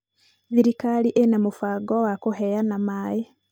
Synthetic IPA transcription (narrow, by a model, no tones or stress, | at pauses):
ðiɾikaliʔenamufaɡowakuɦejanamaːje